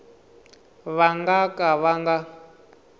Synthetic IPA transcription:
βaŋɡakʼaβaŋɡa

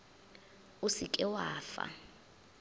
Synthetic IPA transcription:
usikʼɛwaːfa̰

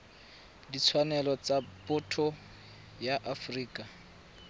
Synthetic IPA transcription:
dit͡sʰwanɛlɔt͡sapʊtʰɔ | jaʔafriːkʼa

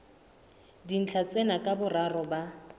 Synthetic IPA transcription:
din̩t͡ɬʰat͡sʼɛnakʼabʊrarɔba

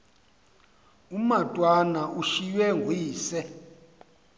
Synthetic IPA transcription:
umatʼwanaʔuʃiwɛŋɡʱwiːsɛ

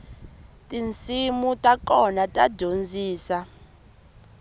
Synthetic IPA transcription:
tʼint͡sʼimutʼakʼɔnatʼḁɟ̥ʱond͡zʱiːsa

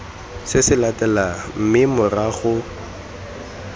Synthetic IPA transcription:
sɪsɪlatʼɛlam̩mɪmʊraɣʊ

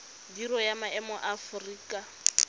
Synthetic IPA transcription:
diɾɔjamaɛmɔʔafʊriːkʼa

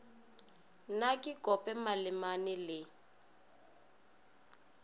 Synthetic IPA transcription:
nakʼɪkʼɔpʼɛmalɪmanɪlɪ

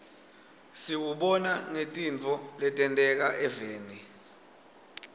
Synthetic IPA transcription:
siwuɓɔnaŋetʼint͡fɔlɛtʼɛntʼɛk̬aʔɛveːni

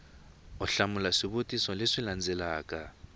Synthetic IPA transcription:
uɬamulaʂiβotʼisɔleʂiland͡zɛlaːkʼa

